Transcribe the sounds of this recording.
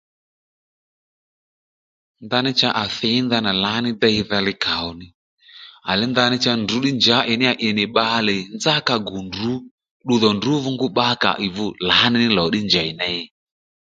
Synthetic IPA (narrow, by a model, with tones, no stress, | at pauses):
nda˧nɪ˦t͡ʃa˦ʔa˨θɛ˨˦nda˧na˨la˨˦nɪ˦dɛ˦i˦ða˧lɪ˦ka˨ɔ˨nɪ˦ | a̰˨li˦nda˧nɪ˦t͡ʃa˧ndu˨˦ɗi˦nd͡ʒa˨˦ʔɛ˨nɪ˦a˨ʔɛ˨nɪ˨ɓa˧lɛ˨nza˦ka˨ɡu˨ndu˨˦ | ɗu˦ðɔ˨ndu˦vu˦ŋɡu˦ɓa˦ka̰˨ʔi˨vu˦˨la˨˦nɪ˦nɪ˦lɔ˨˦ɗi˦nd͡ʒa˨i˨na˦ɛ˦